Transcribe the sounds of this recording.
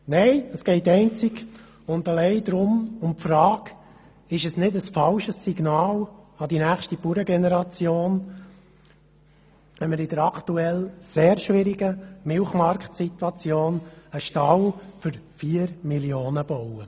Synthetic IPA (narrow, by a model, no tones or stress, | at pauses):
nɛɪəsɡ̥ɛɪtɛɪnt͡siɡ | ʊnd̪ɑlɛɪd̪ɾʊmʊmpfɾɑːk | ɪʃəsnɪdəsfɑlʃəsːiɡ̥nɑːlɑd̥̪inæːχʃtipuɾəɡenɛɾɑt͡sjoːn | ɛməɾɪd̥̪əɾɑkʰt̪uɛlseːɾʃʋɪɾiɡəmɪlχmɑɾktsit̪wɑt͡sjoːnəʃtɑwfʏɾfiːəɾmiljoːnəb̥ɔwə